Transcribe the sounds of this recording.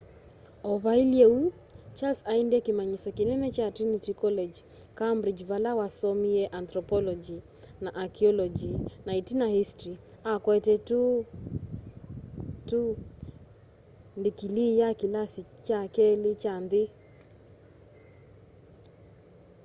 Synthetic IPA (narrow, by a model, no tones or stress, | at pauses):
ɔβailiɛu | t͡ʃalsaindɛkimaɲisɔkinɛnɛt͡ʃatɾinitikɔlɛd͡ʒ | kambɾid͡ʒβalawasɔmiɛʔant̪ɾɔpɔlɔd͡ʒi | naʔakiɔlɔd͡ʒinaitinahistɾiakwɛtɛtu | tu | ndikilijakilasit͡ʃakɛlet͡ʃandɪ